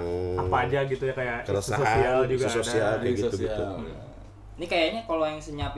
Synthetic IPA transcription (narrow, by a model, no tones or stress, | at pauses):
apaːd͡ʒaɡit̪ujakajasososiald͡ʒuɡasosialaɡit̪uɡit̪u | nikajaɲakalojaŋsəɲap